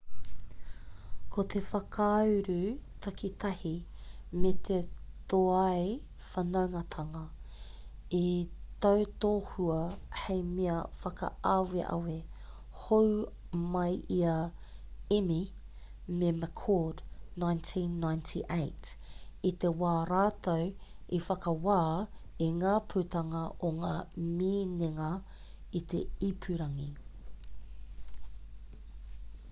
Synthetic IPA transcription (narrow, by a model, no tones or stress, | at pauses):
kʰot̪ʰefɐkʰawɾʉt̪ʰɐkit̪ʰɐhimet̪ʰet̪oɐj | fɐnɐwŋɐt̪ʰɐŋɐ | it̪ɐwt̪oːhuɐhejmiɐfɐkɐ̰ʔɐweʔɐ̰we | how | mɐjʔiɐ | imi | meməkʰɔːdnajntʰinːajntʰiʔejtit̪ewaːɾaːt̪owʔifɐkɐwaːiŋaːpʰʉt̪ɐŋɐʔoŋaːmiːneŋɐ | it̪ḛipʰʉɾɐŋi